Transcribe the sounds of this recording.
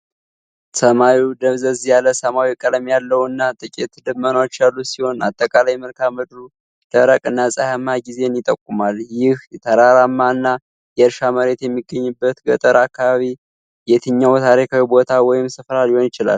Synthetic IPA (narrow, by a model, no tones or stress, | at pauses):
səmawid̪əβzəzjaləsəmawikʼəlmjalːəwɨnːat̪ʼɨkʼet̪d̪ɨmːənot͡ʃːalːusiho̞na̰t̪ʼːəkʼalajməlkʰamɨd̪ɾu | d̪̥əɾəkʼɨnːasʼajamːaɡize̞njɪt̪ʼːəkʼːumaljɪhɛt̪ʰəɾaɾamːaɨnːa | jɛəɾʃaməɾe̞t̪jɛmːiɡːəɲːɨbːət̪ɡət̪ʼəɾakʰːaβaβi | jɛt̪ʰɨɲːawt̪ʰaɾikʰawibo̞t̪ʰawɔjɪmsɨfɾaliho̞njɪt͡ʃɪla̰l